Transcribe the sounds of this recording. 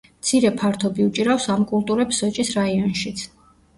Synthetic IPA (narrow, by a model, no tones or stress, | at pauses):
mt̪sʰiɾɛpʰaɾt̪ʰɔbiut͡ʃʼiɾafsamkʼulˠt̪ʼuɾɛpsɔt͡ʃʼisɾaiɔnʃit̪sʰ